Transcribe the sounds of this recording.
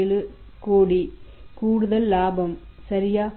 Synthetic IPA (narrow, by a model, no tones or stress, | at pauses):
ɪlɯ | koːɽikuːɽɯðɐlːaːbɐmsɐɾɪjaː